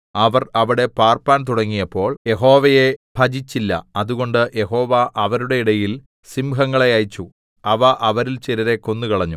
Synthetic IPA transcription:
ɐʋɐrɐʋiɽe̞paːrpaːnt̪uɽɐŋːijɐpːo̞ːɭje̞ɦo̞ːʋɐjebʱɐd͡ʑit͡ɕːilːɐ̰ɐðuɣo̞ɳɖɨje̞ɦo̞ːʋaʔɐʋɐɾuɽe̞iɽɐjil | simɦɐŋːɐɭe̞jɐjt͡ɕːu | ɐʋɐʔɐʋɐɾilt͡ɕiɾɐɾe̞konːukɐɭɐɲːu

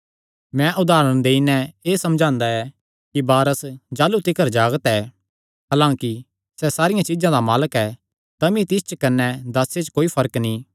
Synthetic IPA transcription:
mɛ̃ʔʊd̪aːɾəñd̪eːinɛ̃eːsɐmd͡ʒʱãːnd̪aɛ | kibaːɾəsd͡ʒaːlut̪ɪkəɾd͡ʒaːɡət̪ɛː | ɦaːlãːki | sɛsaːɾɪjãt͡ʃɪzãd̪amaːləkɛ | t̪ɐmĩt̪ɪst͡ʃəkɐnːɛd̪aːsːet͡ʃkoːipʰɐɾəknĩ

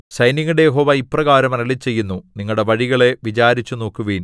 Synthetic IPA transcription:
ɕɐjniŋːuɽejeɦo̞ːʋɐiprɐɣaːɾɐmɐnɐlit͡ɕːe̞jːunːuniŋːɐɭɽe̞ʋɐɻiɣɐɭe̞ʋit͡ɕaːɾit͡ɕːuno̞ːkːuʋiːn

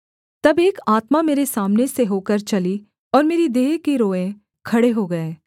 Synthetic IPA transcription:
t̪ɐbeːkaːt̪mameːɾesaːmneseɦoːkəɾt͡ʃɐli | ɔːɾmeːɾid̪eːɦkeɾoːẽ | kʰɐɽeɦoɡɐeː

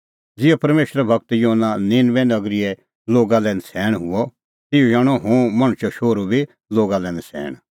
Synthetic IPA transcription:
d͡zɪjɔpɐɾmeːʃɾabʱɐkt̪joɦnːanɪːnʋɛnɐɡɾɪɛ | loːɡalɛ̃ːnsʰɛːɽ̃ɦʊɔ | t̪ɪud͡ʒaːɽ̃ɔɦʊ̃ːmɐ̃ɽ̃ʊt͡ʃɔʃoːɾubʱi | loːɡalɛ̃ːnɛsʰɛ̰ːɽ̃

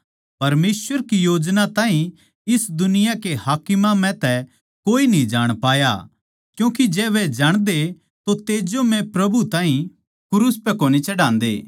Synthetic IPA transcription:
pɐɾmeːsʋəɾkijoːd͡ʒnat̪aːɦĩ | ɪsd̪ʊnɪjakehaːkɪmamɛ̃t̪ɛ | koːinĩd͡ʒaːɽ̃paːja̰ | kjũːkid͡ʒɛːʋɛd͡ʒaːɽ̃d̪e | t̪ot̪eːd͡ʒomɛ̃pɾɐbut̪ãːɦĩ | kʊɾuspɛkoːnit͡ʃɐɽãːnd̪ḛː

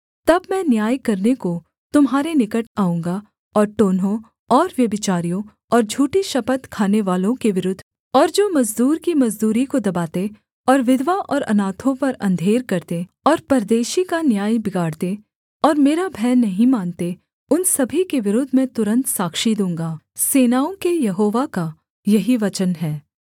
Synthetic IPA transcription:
t̪ɐbmɛ̃njaːjkɐɾneko | t̪ʊmɦaːɾenɪkəʈaːũːŋɡa | ɔːɾʈoːnɦõ | ɔːɾʋjɐbɪt͡ʃaːɾijõ | ɔːɾd͡ʒʱuːʈiʃɐpət̪kʰaːneʋaːlõkeʋɪɾʊd̪ʱː | ɔːɾd͡ʒoːmɐzd̪uːɾkimɐzd̪uːɾikod̪ɐbaːt̪e | ɔːɾʋɪd̪ʋaʔɔːɾɐ̰naːt̪ʰõpɐɾɐ̃nd̪ʱeːɾkɐɾt̪e | ɔːɾpɐɾd̪eːʃikanjaːjbɪɡaːɽt̪e | ɔːɾmeːɾabʱɛːnːɐɦĩmaːnt̪e | ʊnsɐbʱikeʋɪɾʊd̪ʱmẽt̪ʊɾə̃nt̪saːkʃid̪ũːŋɡaː | seːnaːõkejɐɦoːʋaka | jɐɦiʋɐt͡ʃənɦɛː

